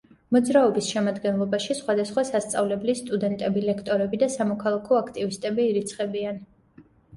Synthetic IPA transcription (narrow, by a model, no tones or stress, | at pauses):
mɔd̪zɾaɔbisʃɛmad̪ɡɛnlˠɔbaʃisχwad̪asχwasast̪sʼavlɛblist̪ʼud̪ɛnt̪ʼɛbilɛkʰt̪ʼɔɾɛbid̪asamɔkʰalˠakʰɔakʰt̪ʼivist̪ʼɛbiːɾit̪sʰχɛbian